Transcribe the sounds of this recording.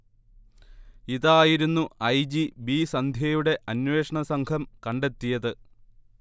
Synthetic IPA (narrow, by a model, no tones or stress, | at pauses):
iðaːjiɾunːuɐjd͡ʑibisɐnd̪ʱjɐjuɽe̞ʔɐnwe̞ːʂɐɳɐsɐŋɡʰɐmkɐɳɖe̞t̪ːijɐðɨ